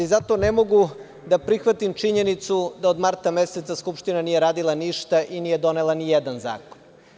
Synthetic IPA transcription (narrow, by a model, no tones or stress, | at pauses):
izat̪o̞nemo̞ɡu | d̪apɾixʋat̪imt͡ʃiɲe̞nit̪sud̪aod̪maɾt̪ame̞se̞t̪saskupʃt̪inanijeɾaːd̪ilˠaniʃt̪aʔiniːje̞d̪o̞nelˠanijed̪anza̰ːkon